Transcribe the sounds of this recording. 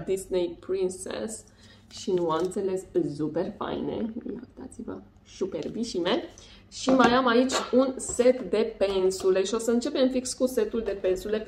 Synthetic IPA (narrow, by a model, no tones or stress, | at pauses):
d̪isnejpɾinsḛs | ʃinuamɨnt̪se̞le̞szupe̞rfa̰jne̞̰ja̰kt̪at̪sivə̰ | superbiʃime | ʃimajamait͡ʃʲunse̞t̪d̪e̞pe̞nsule̞ʃio̞səɨnt͡ʃe̞pe̞mfikskuse̞t̪uld̪e̞pensule̞